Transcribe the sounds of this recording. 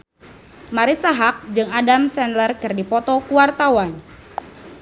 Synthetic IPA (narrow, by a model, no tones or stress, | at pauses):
maɾisaɦak̚d͡ʒɨŋadamsɛnlərkɨrdipɔt̪ɔkuwart̪awan